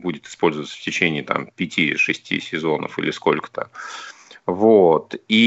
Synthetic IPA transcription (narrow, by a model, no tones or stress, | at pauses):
budʲɪt̪ɨ̥spo̞lʲzəvət̪sə̥ftʲɪt͡ɕenʲɪːt̪a̰mpʲɪtʲiʂɨsʲtʲḭsʲɪzo̞nə̰fḭlʲɪsko̞̰lʲkə̥t̪ə̰ | vot̪i